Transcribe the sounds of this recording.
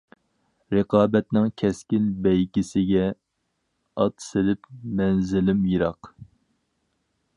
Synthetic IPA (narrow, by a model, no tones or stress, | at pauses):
ɾɨqɑːbɛt̪nɪŋkʲʰɛskʲɪnbɛjkʲɪsɪɡʲɛ | ɑt̪selɪpmɛnzɪlɪmjiɾɑq